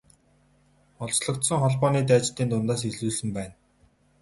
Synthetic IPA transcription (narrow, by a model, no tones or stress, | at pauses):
ɔɮt͡ɕɮɞ̆kt̪sɞ̆ŋχɔɮpɔːniːt̪̬æːt͡ɕt̪ːiːnt̪ʊnt̪aːs̬eɮuːsɘ̆mpæːn